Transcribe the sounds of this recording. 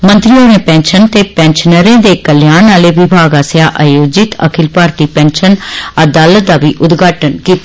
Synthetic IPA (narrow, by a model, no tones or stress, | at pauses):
mə̃nt̪ɾiːɦoːneːpɛ̃ːnʃənt̪eːpɛ̃ːnʃnəɾẽːd̪eːkəljaːnːaːleːʋɪbʱaːɡaːsjaːʔaːjoːd͡ʒɪt̪ə̰kʰɪlpaːɾt̪iːpɛ̃ːnʃənəd̪aːlət̪̚d̪aːʋiːʔʊd̪ɡaːʈənkiːt̪a